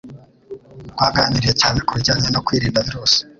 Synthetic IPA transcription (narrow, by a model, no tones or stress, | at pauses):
ɡwaːɡaniɾije̞caːne̞kuβiɾɟaːɲeno̞kwiːɾiːndaβiɾuːsi̥